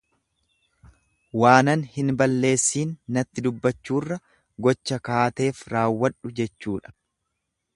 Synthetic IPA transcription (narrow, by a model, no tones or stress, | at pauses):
waːnɐnhɪnbɐlːe̞ːsːiːnːɐt̪ːɪd̪ʊbːɐt͡ʃːuːrːɐ | ɡɔt͡ʃːɐkaːt̪e̞ːfɾaːwːɐᶑʊd͡ʒɛt͡ʃːuːᶑɐ̥